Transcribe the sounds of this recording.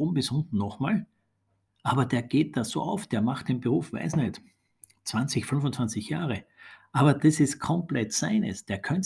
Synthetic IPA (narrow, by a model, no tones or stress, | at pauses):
ʊmbɪsʊntn̩nɔχmaːl | ʔaːbɐd̥eːɐɡ̥eːt̚d̥aːso̰ːʔaʊfd̥eːɐmaχt̚d̥eːnbəʁuːfva̰ɪsnɛt | t͡sv̥ant͡sɪçfʏnfʊnt͡svant͡sɪçjaːʁə | ʔaːbɐd̥ɛsɪstkʰɔmplɛtsaɪnə̰sd̥eːɐkʰœnt